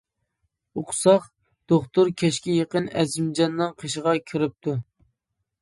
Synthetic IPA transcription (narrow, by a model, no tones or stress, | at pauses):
ʊqʰʊ̥sɑχ | d̪̥oχt̪ʊɾkʲʰɛʃkʲijəqənɛzɪmd͡ʒɑnːɨŋqʰeʃəʁɑkʲʰiɾɪp̚t̪ʰu